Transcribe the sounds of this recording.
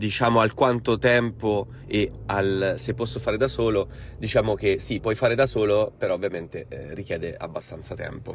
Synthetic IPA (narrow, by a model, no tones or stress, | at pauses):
d̪it͡ʃaːmoalkwant̪ot̪ɛmpo | ealsepːɔsːofaːɾed̪asoːlod̪it͡ʃaːmok̟esipːwɔjfaːɾed̪asoːlopeɾɔovːjament̪erik̟jɛːd̪ea̰bːast̪ant̪sat̪ɛ̰mpo̰